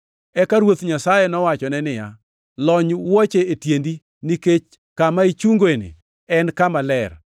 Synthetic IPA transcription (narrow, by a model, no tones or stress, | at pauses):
ɛkaɾwot̪ɲasajenɔwat͡ʃɔnɛnɪja̰ | lɔɲwot͡ʃeetjendi | niket͡ʃ | kamait͡ʃuŋɡoenḛ | ɛnkamalɛr